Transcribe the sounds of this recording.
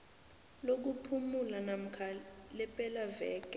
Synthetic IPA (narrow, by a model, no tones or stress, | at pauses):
lok̬upʰumulanam̩kʰalɛpʼɛlavɛ̰ːkʼɛ